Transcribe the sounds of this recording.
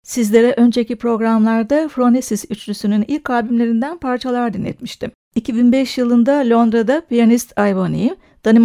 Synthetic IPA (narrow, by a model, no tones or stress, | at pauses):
sizlʲe̞ɾɛʔø̞nd͡ʒecʰipɾo̞ɡɾamlˠaɾd̪afɾonesisyt͡ʃlysynynilʲkʰːaːbimlʲe̞ɾind̪ænpʰaɾt͡ʃʰalˠaɾd̪inːʲɛ̰t̪miʃt̪ʰim | icʰibinbɛʃjɯlˠɯnd̪alʲo̞nd̪ɾad̪apijanist̪ʰajvonḭ | d̪̥anim